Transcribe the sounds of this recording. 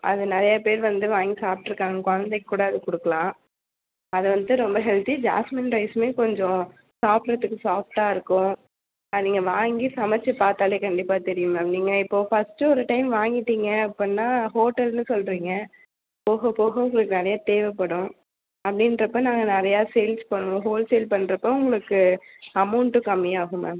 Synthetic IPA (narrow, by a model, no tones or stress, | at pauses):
ʔɐ̰ðɯnɪɾɐjapeːɾʋɐnd̪ɯʋaːŋɡisaːp̚ʈːɯɾɯkːaːŋɡɐkɔɻɐnd̪ɛkːkuːɽɐɐðɯkɔɽɯkːɐlãː | ɐðɯʋɐnd̪ɯɾɔmbɐɦɛlt̪id͡ʒa̰ːsmɪnɾɐɪsmeːkɔɲd͡ʒɔ̃ | saːpɾɐt̪ːɯkːɯsaːfʈaːɪɾɯkːʊ̃ | niːŋɡɐʋaːŋɡisɐmɐt͡ʃːɐpaːɾt̪aːleːkɐɳɖɪpːaːt̪ɛɾɪjɯmɐniːŋɡɐɪpːoːfɐsʈɯɔɾɯʈɐɪmʋaːŋɡɪʈːiːŋɡɐɪpːɐnːaːɦoːʈɛlnɯsɔlɾiːŋɡɐ | poːɣɐpoːɣɐʊŋɡɐɭɯkːɯnɐɾɐjaːt̪eːʋɛpːɐɽʊ̃ | ɐpːɐɽɪndɾɐpːoːnãːŋɡɐnɪɾɐjaːseːlspɐɳːõɦoːlseːlpɐɳːɾɐpːoːʊŋɡɐɭɯkːɯɐmɐʊɳʈːɯkɐmːɪjaːɣɯmɐ̰